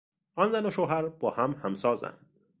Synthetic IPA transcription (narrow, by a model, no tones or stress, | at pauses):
ɒnzænoʃoːɦæɾb̥ɒːhæmhæmsɒːzæ̰nd̪̥